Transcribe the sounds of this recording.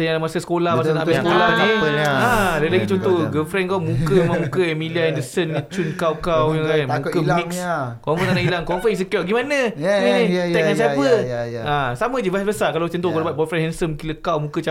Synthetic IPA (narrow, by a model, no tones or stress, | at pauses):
sajalamasasə̥kolahmasanaʔabisəkolahniãləlaɡit͡ʃɔnt̪ɔɡəlfɾɛnkawmũkəmãmukəɛmiliaɛndəsənnit͡ʃunkawkawjamũkəmikskɔfənanailaŋkɔnfəs̬əkɔbɡimanə̃iniɛʔ̚ŋansiapəʔasamə̃d͡ʒəbasbəsakalawt͡ʃɔnt̪ɔklbat̪̚bɔlfɾɛnhɛnsəmkiləkawmũkət͡ʃa